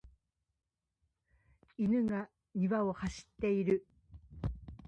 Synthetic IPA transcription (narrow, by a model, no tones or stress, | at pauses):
inɯ̟ɡa | ɲiβao̞haɕi̥t̪ːe̞iɾɯ̟